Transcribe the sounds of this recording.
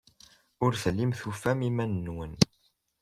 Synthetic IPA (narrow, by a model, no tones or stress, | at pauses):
ʊɾθəlːimθufæmimænːwən